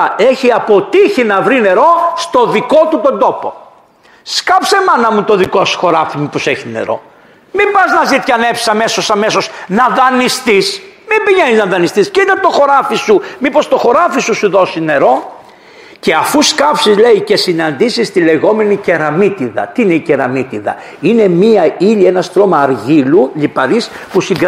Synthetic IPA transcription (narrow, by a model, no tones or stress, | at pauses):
e̞çiɐpo̞t̪içinɐvɾine̞ɾo̞st̪o̞ðiko̞t̪ut̪o̞nd̪o̞po̞ | skɐpsemɐnɐmut̪o̞ðiko̞su̥xo̞ɾɐfimipo̞seçinḛɾo̞̰ | mibɐznɐzit̪çɐnepsisɐme̞so̞sɐmeso̞znɐðɐnist̪ismimbiɲeniznɐðɐnist̪iscit̪ɐt̪oxo̞ɾɐfisumipo̞st̪o̞xo̞ɾɐfisusuðo̞sine̞ɾo̞ | ce̞ɐfuskɐpsizle̞ice̞sinɐnd̪isist̪ile̞ɣo̞me̞nice̞ɾɐmit̪iðɐ̰t̪iine̞iceɾɐmit̪iðɐ̰ | ine̞miɐiʎie̞nɐst̪ɾo̞mɐːɾʝiluʎipɐɾis | pusiŋɡ